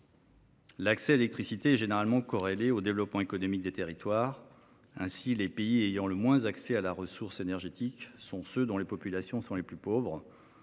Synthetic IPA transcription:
laksɛalelɛk̚t̪χisit̪eɛʒeneʁalmɑ̃kɔʁeleod̪evlɔpmɑ̃ekɔnɔmik̚d̪et̪eʁit̪waʁ | ɛ̃silepeiejɑ̃ləmwɛ̃zaksɛalaʁəsuʁsenɛʁʒet̪iksɔ̃sød̪ɔ̃lepɔpylasjɔ̃sɔ̃leplypovʁ

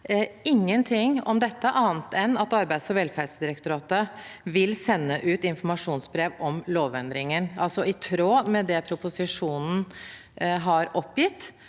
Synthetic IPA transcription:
ɪŋːənt̪ʰɪŋɔ̰md̪ɛt̪ːəʔɑːnt̪ʰɛnːɑt̪ɑɾbæɪd̪sɔʋɛlfæɖsəd̪ɪɾəkt̪ʊɾɑːt̪əʋɪlsɛnːəʔʉːt̪ɪnfɔɾmɑʂuːnsbɾeːʋɔmloːʋɛnd̪ɾɪŋənɑlsɔɪt̪ʰɾoːmɛd̪ɛpʰɾʊpʊsɪʂuːnn̩ | ɦɑɾɔpːjɪt̪ː

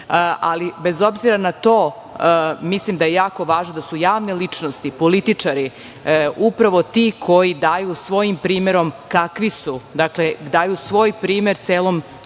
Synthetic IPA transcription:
a̰libe̞zo̞bziɾanat̪o̞ː | mislimd̪aje̞jaːko̞ʋaːʒnod̪asujaːʋnelit͡ʂnost̪ipolit̪it͡ʂaɾi | upɾaʋo̞t̪ikʰo̞jid̪aːjusʋo̞jimpɾiːmeɾo̞mkakʋisud̪akled̪aːjusʋo̞ːjpɾiːme̞ɾt̪seːlˠo̞m

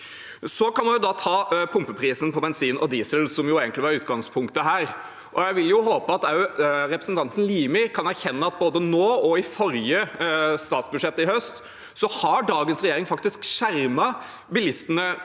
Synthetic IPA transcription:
sɔkɑnmɑnjʊd̪ɑt̪ʰɑːpʰʊmpəpʰɾiːsən̩pʰɔbɛnsiːnʔɔd̪iːsəlsɔmjʊeːɡəntlɪʋɑɾʉːt̪ɡɑŋspʰʊŋkt̪əɦæːɾ | ʔɔjæɪʋɪljʊɦoːpəɑt̪æɾɛpɾəsən̩t̪ʰɑnt̪ən̩liːmɪkʰɑnæɾçɛnːəɑt̪̚boːd̪ənoːɔɪfɔɾjəst̪ɑːt̪sbʉd̪ʂɛt̪ːɪhœst̪ | sɔhɑɖɑːɡənsɾɛjeːɾɪŋfɑkt̪ɪskʂæɾmɑ | bɪlɪst̪ənə

